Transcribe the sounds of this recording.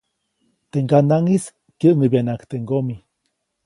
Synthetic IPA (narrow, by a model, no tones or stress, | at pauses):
t̪eʔŋɡanaŋis | kjəʔmibjanakt̪eŋɡomi